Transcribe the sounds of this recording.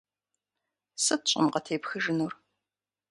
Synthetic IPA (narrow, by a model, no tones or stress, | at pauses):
sɨtɕʼɪ̰mqɐtʰeːpxɨʒɨnur